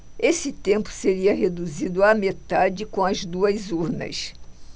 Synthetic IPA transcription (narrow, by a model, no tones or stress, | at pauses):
esɪt̪ẽmpʊ̥seɾiɐɦed̪uzid̪ʊɐmet̪ad͡ʒɪkõɐzd̪uɐzuɾnɐ̰s